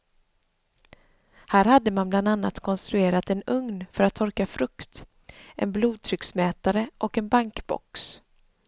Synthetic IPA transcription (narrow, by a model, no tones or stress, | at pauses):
hæːɾhad̪ːəmanbland̪anːa̰t̪kʰɔnst̪ɾɵeːɾat̪ɛnɵŋnfœɾat̪ʰːɔɾkafɾɵkt̪ | ʔɛ̰nbluːd̪̚t̪ʰɾʏksmɛːt̪aɾəʔɔkɛnbaŋkbɔ̰ks